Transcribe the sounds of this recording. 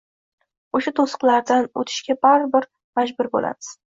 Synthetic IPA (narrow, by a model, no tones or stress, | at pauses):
oʃat̪ʰosɨ̥qlaɾd̪ano̰t̪ʰɪ̥ʃkʲabaɾbɪɾ | mad͡ʒbʊɾbo̰la̰mɪz̥